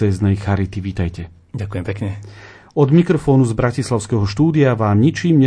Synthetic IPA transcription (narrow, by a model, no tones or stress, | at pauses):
ɛːznɛjxaɾit̪iʋiːt̪ajcɛ | ɟakujɛmpɛkɲɛ | ɔd̪mikɾɔfɔːnuzbɾacislaʊskɛɦɔʃt̪uːd̪iaʋaːmɲit͡ʃiːmɲɛ